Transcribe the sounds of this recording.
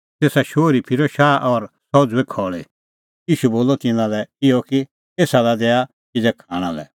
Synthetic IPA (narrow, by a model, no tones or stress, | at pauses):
t̪eːsaʃoːɾipʰɪɾɔʃaːʔɔɾsɔd͡zʊwekʰɔːɭe | jiːʃuboːlɔt̪ɪnãlɛɪɔki | eːsalad̪ɛːa | kɪd͡zɛkʰaːɽ̃ã̰lɛ̰